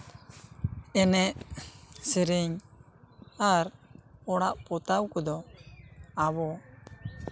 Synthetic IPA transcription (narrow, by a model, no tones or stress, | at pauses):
ɛnɛʔsɛɾiɲ | aɾɔɽaʔpɔt̪awkɔd̪ɔ | abɔ